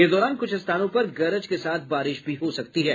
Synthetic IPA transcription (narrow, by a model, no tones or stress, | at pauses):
ɪsd̪ɔːɾaːnkʊt͡ʃʰɪst̪ʰaːnõpɐɾɡɐɾəd͡ʒkesaːt̪̚ʰbaːɾɪʃbʱiɦosɐk̚tt̪iɦɛː